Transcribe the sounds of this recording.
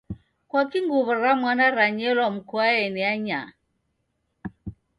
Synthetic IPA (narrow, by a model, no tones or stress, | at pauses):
kwakiŋɡuβəɾamwanaɾaɲɛlɔm̩kuaɛniaɲa̰